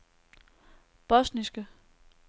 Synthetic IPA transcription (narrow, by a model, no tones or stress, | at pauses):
b̥ɔ̽snisɡ̥ə